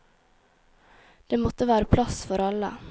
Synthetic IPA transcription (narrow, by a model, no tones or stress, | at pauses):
d̪̥eːmɔt̪əʋæːɾəpʰlɑsfɔɾɑlə̰